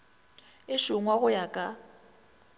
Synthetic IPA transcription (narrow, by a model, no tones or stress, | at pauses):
ɪʃʊŋwaɣʊjakʼa